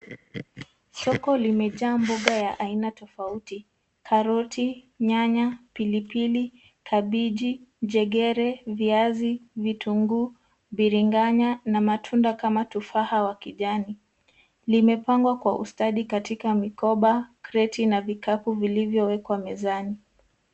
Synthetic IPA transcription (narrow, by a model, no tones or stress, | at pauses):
sɔkɔlimɛʄaːmbuɠajaʔainatɔfauti | kʰaɾɔtʰi | ɲaɲapilipili | kʰaɓiʄid͡ʒɛɠɛɾɛviazivitʰuŋɡu | ɓiɾiŋɡaɲanamatʰundakamatufahawakiʄani | limɛpaŋɡwakwaʔṵstaɗikatikamikɔɓakɾɛtinavikapuvilivjɔwɛkwamɛzani